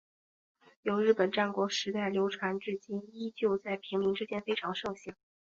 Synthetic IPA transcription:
jo˧˥ʊɻɻ̩˥˩pə˨˩nʈ͡ʂa˥˩nkwɔ˧˥ʂɻ̩˧˥t̪a˥˩ɪljo˧˥ʊʈ͡ʂʰwa˧˥nʈ͡ʂɻ̩˥˩t͡ɕi˥ni˥t͡ɕjo˥˧ʊt͡sa˥˩ɪpʰi˧˥ŋli˧˥ŋʈ͡ʂɻ̩˥t͡ɕjɛ˥nfe˥ɪʈ͡ʂʰɑ˧˥ŋʂɤ˥˧ŋɕɛ˥˩ŋ

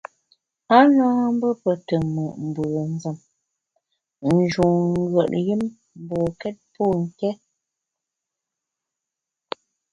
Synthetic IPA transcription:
a˦na˦m˦bə˦pə˨tə˨mə˨ʔm̩˨bə˨n˦zə˨m | n̩˨d͡ʒu˨ŋŋ̩˦ɡɥə˨ʔji˦m˦˨ | bɔ˨kɛ˦t̚pɔ˦˨ŋ̩˨kɛ˦

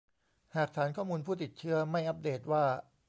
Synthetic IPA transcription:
haː˨˩k̚t̪ʰaː˩˦nkʰɔː˥˩muː˧npʰuː˥˩t̪i˨˩t̪̚t͡ɕʰɯ˦˥ɐma˥˩jʔa˦˥p̚deː˨˩t̪̚waː˥˩

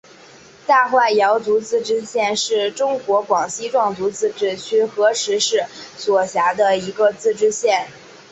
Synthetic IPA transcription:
t̪a˥˧xwa˥˩ɪjɑ˧˥ʊt͡su˧˥t͡sɹ̩˥˧ʈ͡ʂɻ̩˥ɕjɛ˥˧nʂɻ̩˥˩ʈ͡ʂʊ˥ŋkwɔ˧˥kwɑ˨˩ŋɕi˥ʈ͡ʂwɑ˥˩ŋt͡su˧˥t͡sɹ̩˥˧ʈ͡ʂɻ̩˥t͡ɕʰy˥˩xɤ˧˥ʂɻ̩˧˥ʂɻ̩˥˩swɔ˨˩ɕja˧˥d̪ə˧i˧˥ɡə˧t͡sɹ̩˥˩ʈ͡ʂɻ̩˥ɕjɛ˥˩n

